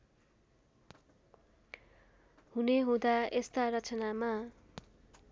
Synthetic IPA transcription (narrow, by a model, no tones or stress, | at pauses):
huneɦũd̪aest̪arʌt͡sʌnama